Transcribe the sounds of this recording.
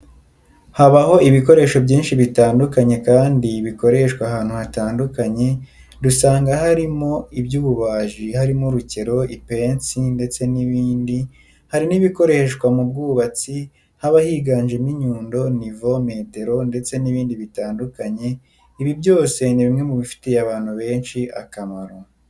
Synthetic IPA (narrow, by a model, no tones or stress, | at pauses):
haβaho̞iβiko̞ɾe̞ːʃo̞bɟiːnʃiβitaːndukaɲe̞kaːndiβiko̞ɾe̞ʃkwaɦaːnhuhataːndukaɲe̞ | dusaːŋɡahaɾimo̞ibjuːβuβaːʒihaɾimuɾuce̞ɾo̞ipe̞ːnt͡sinde̞t͡se̞niβiːndi | haɾiniβiko̞ɾe̞ʃkwamub̚ɡuːβat͡si | haβahiːɡaːɲʒeniɲuːndo̞nivo̞me̞ːte̞ɾo̞nde̞t͡se̞niβiːndiβitaːndukaɲe̞ | iβibɟo̞ːse̞niβimŋe̞muβifi̥tejaβaːn̥huβe̞ːnʃiʔa̰kamaɾo